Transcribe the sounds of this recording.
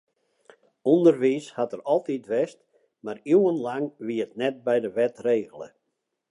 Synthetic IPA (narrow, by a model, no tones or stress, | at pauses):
undərʋishatərɔlˠtitʋɛst | mariwənlaŋʋiəətnɛt̚bɛjdəʋɛtreːɣəlˠə̰